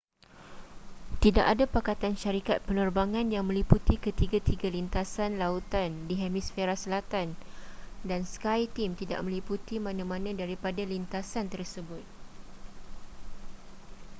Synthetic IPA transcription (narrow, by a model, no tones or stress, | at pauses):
t̪idaʔadapakat̪anʃaɾikat̪̚pənərbaŋãnjaŋmə̃liput̪ikət̪iɡat̪iɡalint̪asanlaut̪andiɦɛmisfeɾasəlat̪an | danskajt̪imt̪ida̰ʔmə̃liput̪imãnãmãnãdaɾipadalint̪asant̪ərsəbʊt̪̚